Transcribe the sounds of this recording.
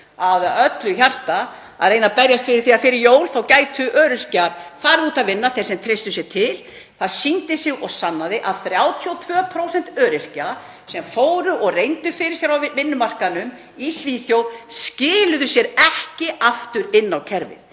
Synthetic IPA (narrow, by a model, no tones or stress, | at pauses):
aðaœt̪lʏçar̥t̪a | a̰ðɾeːjnapɛɾjast̪fɪɾɪɾ̥θiafɪɾɪɾjoːwlθawcaːjt̪ʏʔœːɾɪr̥caɾ̥faːɾɪðuːt̪aðvɪnːaθejɾ̥sɛmt̪ʰɾejst̪ʏsjɛt̪ʰɪl | θaðsint̪ɪsɪɣɔɣsanːaðɪʔaðθɾjaːwt̪ʰiɔt̪ʰv̥œːpʰɾowsɛn̥t̪œːɾɪr̥ca | sɛmfoːwɾʏʔɔɣrejnt̪ʏfɪɾɪ̥sjɛɾawvvɪnːʏmar̥kanʏm | isviːθjowscɪːlʏðʏsjɛɾɛhcɪaft̪ʏɾɪnːawcʰɛɾvɪ̰ð